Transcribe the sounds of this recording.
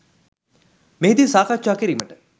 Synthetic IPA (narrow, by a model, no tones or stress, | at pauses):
meɦid̪isaːkʰat͡ʃaːkeɾiməʈə̥